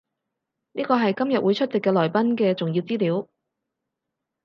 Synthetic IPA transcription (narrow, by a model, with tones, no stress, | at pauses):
niː˥kɔː˧ɦɐ˨jkɐ˥mjɐ˨t̚wuː˨˧jt͡ʃʰɵ˥t̚t͡sɪ˨kːɛː˧lɔː˨˩jpɐ˥nkɛː˧t͡sʊ˨ŋjiː˧wt͡siː˥liː˨˥w